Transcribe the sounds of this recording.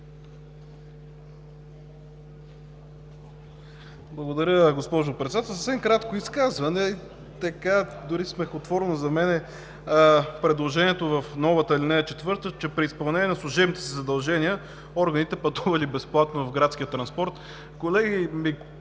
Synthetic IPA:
blˠɐɡod̪ɐɾʲəɡospɔʒʊpɾɛt̪ɛd̪at̪ɛlˠsəfsɛmkɾat̪koiskazvɐnɛi | t̪ɐkad̪ʊɾismɛxot̪vɔɾnozɐmɛnɛ | pɾɛd̪lˠoʒɛniɛt̪ovɐfnɔvət̪əilinɛɛt͡ʃɛt̪vɤɾt̪ət͡ʃɛpɾiːspɐlˠnɛnʲjɛnɐslˠʊʒɛbnit̪ɛ̥sizɐd̪ɐlˠʒɛniə | ɔɾɡənit̪ɛpɐt̪uvɐlibɛsplˠat̪novɐvɡɾat̪skʲijət̪ɾɐnspɔɾt̪ | kolɛɡʲimi

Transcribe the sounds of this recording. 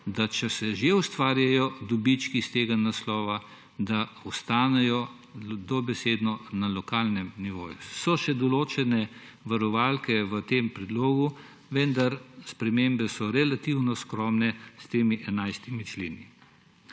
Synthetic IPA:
d̪at͡ʃɛsɛʒeust̪ʋaːɾjajɔd̪ɔbit͡ʃkist̪eːɡanaslɔːʋa | d̪aɔst̪aːnɛjɔ | d̪ɔbɛseːd̪nɔnalɔkaːlnɛmniʋo̰ːjusɔʃɛd̪ɔloːt͡ʃɛnɛ | ʋaɾɔʋalkɛʋət̪eːmpɾɛd̪loːɡu | ʋɛnd̪aɾspɾɛmembɛsɔɾɛlat̪iwnɔskɾɔːmnɛst̪eːmiʔɛnajst̪imit͡ʃleːni

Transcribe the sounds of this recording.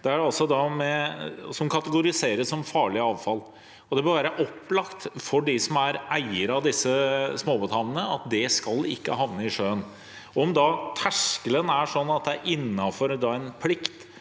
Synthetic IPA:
d̪̥ɛæɖɛɑlsɔd̪ɑmɛsɔmkʰɑt̪əɡʊɾɪseːɾəssɔmfɑːɭɪɑːʋfɑl | ɔd̪ɛbəɾʋæːɾəʔɔpːlɑkt̪fɔɖɪsɔmæɾæɪəɾɑd̪ɪsːəsmoːbət̪ʰɑnənəɑt̪̚d̪ɛskɑlɪ̰kːəɦɑʋnəɪʂøːən | ɔɔmd̪ɑt̪ʰæʂkələnæʂɔnːɑt̪̚d̪ɛæɾʔɪnːɑfɔɾd̪ɑæɪnpʰlɪkt̪

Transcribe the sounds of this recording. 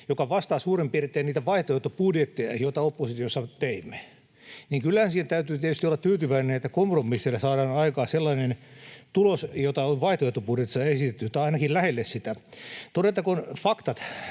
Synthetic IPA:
jokɑʋɑst̪ɑːsuːrempiret̪ːeːniːt̪æʋɑiht̪oet̪ːopudjet̪ːejɑ̰jot̪ɑopːosit̪iosːɑt̪eimːe̥ | niːŋkylːæhænsiːtæt̪æyt̪yːt̪iet̪yst̪iolːɑt̪yːt̪yʋæinenet̪ːækompromːisːilːɑsɑːɾɑːnɑikɑːselːɑinent̪ulosjot̪ɑonʋɑiht̪oeht̪ːopudjet̪ːi̥sɑesit̪et̪ːyjot̪ːɑɑinɑkillæhelːessit̪æt̪odet̪ːɑkonfɑkt̪ɑt̪

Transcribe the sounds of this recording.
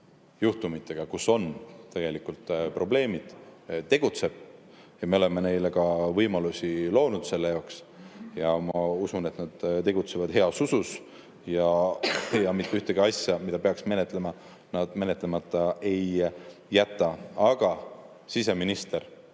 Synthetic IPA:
juht̪umit̪ˑːe̞ɡ̥ɑkuso̞nt̪eɡ̥e̞likːˑult̪pro̞ble̞ːmid̪̥t̪e̞ɡ̥ut̪se̞b̥̚ | jɑmeo̞le̞me̞ne̞jle̞kɑvɤjmɑlusʲilo̞ːnud̪̥se̞lːe̞jɑoks | jɑmɑusune̞t̪nɑd̪̥t̪e̞ɡ̥ut̪se̞vɑd̪̥he̞ɑsusus | jɑ | jɑmit̪ːeyht̪eɡ̥iɑsʲjɑmid̪̥ɑpe̞ɑksme̞ne̞t̪ˑle̞mɑ | nɑd̪̥me̞ne̞t̪lemɑt̪ˑːɑe̞jː | æt̪ːˑɑɑɡ̥ɑ | sise̞minist̪e̞ɾ

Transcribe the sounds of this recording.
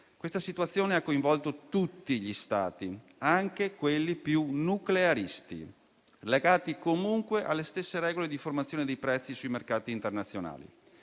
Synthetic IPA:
kwest̪asit̪uat̪sːjoːneakːoiɱvɔlt̪ot̪ut̪ːiʎist̪a̰ːt̪i | aŋkekwelːipjunukleaɾist̪ḭ | leɡaːt̪ikomuŋkweʔalːest̪esːeɾɛːɡoled̪iformat̪sjoːned̪ejpɾɛt̪sːisujmerkaːt̪iːnt̪ernat̪sːjona̰ːlḭ

